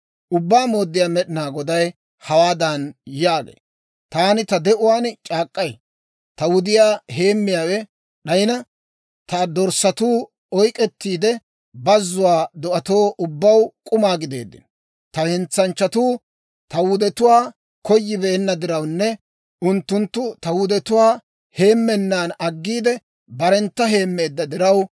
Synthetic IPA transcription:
ʔʊbːaːmo̞ːd̪ːɪjaːmɛɗɪnaːɡɔd̪ɐj | hɐwaːd̪ɐnjaːɡḛː | t̪aːnɪt̪ɐd̪ɛʔʊwaːnt͡ʃʼaːkʼːɐj | t̪ɐwʊd̪ɪjaːɦe̞ːmːɪjaːwɛ | ɗɐjɪnɐ | t̪ɐd̪ɔɾsɐt̪uː | ɔjkʼːɛt̪ːiːd̪ɛ | bɐzːʊwaːd̪ɔʔɐt̪o̞ːʔʊbːɐwkʼʊmaːɡɪd̪e̞̰ːd̪ːɪ̰n | t̪ɐhɛnt͡sːɐnt͡ʃːɐt̪uː | t̪ɐwʊd̪ɛt̪ʊwaː | kɔjːɪbeːnːɐd̪ɪɾɐwnːɛ | ʊnt̪ːʊnt̪ːʊt̪ɐwʊd̪ɛt̪ʊwaː | he̞ːmːɛnːaːnɐɡːiːd̪ɛ | bɐɾɛnt̪ːɐɦe̞ːmːe̞ːd̪ːɐd̪ɪɾɐw

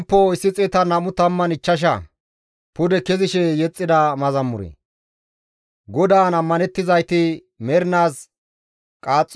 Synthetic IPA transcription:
pːoɪsːɪt͡sʼɛt̪ɐnɐmʊt̪ɐmːɐnɪt͡ʃːɐʃ̬ɐ̰ | pʊd̪ɛkɛzɪʃɛjɛt͡sʼːɪd̪ɐmɐzɐmːʊɾɛ̰ | ɡɔd̪aːnɐmːɐnɛt̪ːɪzɐjt̪ɪ | mɛɾɪnaːs | kʼaːt͡sʼː

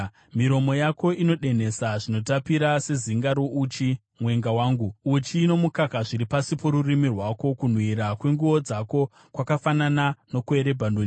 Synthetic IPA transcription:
miɾo̞mo̞jako̞ino̞ɗe̞ne̞saʐino̞tapiɾase̞ziŋɡaɾoʔut͡ʃi | mwe̞ŋɡawaːŋɡuut͡ʃiːno̞mukakaʐiɾipasipo̞ɾurimirwako̞kun̤wiɾakwe̞ŋɡuʋo̞d͡zako̞ | kwakafananano̞kueɾe̞bʱandoni

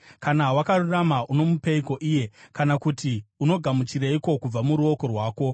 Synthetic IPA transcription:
kanawakaruramaʔuno̞mupe̞iko̞ʔije̞kanakutiuno̞ɡʱamut͡ʃiɾeiko̞kub͡vamuɾuo̞ko̞rwaːko̞

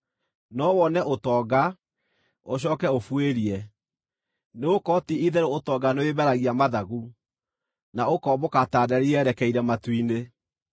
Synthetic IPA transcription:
nɔwɔnɛʔotɔːɡa | oɕ̬ɔːkɛofweɾiɛ | neokɔtiiðɛɾootɔɡanoebɛɾaɣiamaðaɣu | naokɔbokataːdɛɾiɛɾɛkɛiɾɛmatwine

